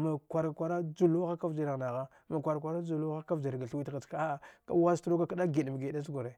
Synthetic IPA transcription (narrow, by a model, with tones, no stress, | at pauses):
ma˨kʷa˨ɾkʷa˨ɾa˦d͡ʒu˦lu˦a˦ka˦vd͡ʒi˨ɾa˨ɣna˨ɣa˦ | ma˨kʷa˨ɾk̬ʷa˨ɾa˦d͡ʒu˨lu˦xa˦ka˦vd͡ʒi˨ɾɡa˨ɬwi˦tɣa˨ka˦ka̰˦wa˦stɾo˦ka˦kɗa˦ɡi˨dm˨ɡi˨da˦s̬ɡo˨ɾe˨